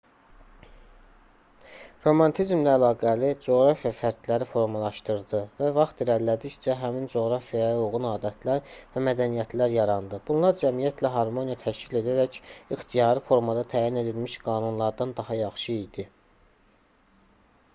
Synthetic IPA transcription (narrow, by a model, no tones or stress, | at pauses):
ɾo̞mɑnt̪ʰizmlæːlɑːɡælid͡ʒo̞ɣɾɑfijɑfæɾd̪læɾifo̞ɾmɑlˠɑʃt̪ɯɾd̪ɯvævɑχt̪iɾæɾlæd̪içt͡ʃʰæɦæmind͡ʒo̞ɣɾɑfijɑjɑuɣunɑːd̪æt̪ʰlæɾvæmæd̪ænijæt̪ʰlæɾjɑɾɑnd̪ɯb̥unlˠɑɾd͡ʒæmijæt̪ʰlæɦɑɾmo̞nijɑt̪ʰæʃcile̞d̪æɾæcixt̪ʰijɑːɾɯfo̞ɾmɑd̪ɑt̪ʰæːjine̞d̪ilmiʃɡɑːnunlˠɑɾd̪ɑnd̪ɑhɑjɑχʃɯid̪̥i